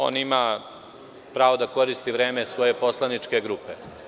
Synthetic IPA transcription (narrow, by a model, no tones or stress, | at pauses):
o̞̰ːnima | pɾaːʋod̪ako̞ɾist̪iʋɾe̞ːmesʋo̞je̞poslˠanit͡ʂke̞ɡɾuːpe